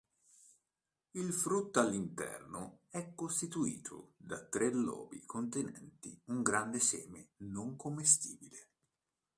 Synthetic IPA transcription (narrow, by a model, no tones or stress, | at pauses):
ilfɾut̪ːalːint̪ɛ̰rnoɛkːost̪it̪uḭːt̪ʰo̰d̪at̪ːɾʔelːɔ̰ːbḭkʰont̪enɛ̰nt̪ḭuŋɡɾand̪esɛ̰ːmenoŋkomːest̪iːbile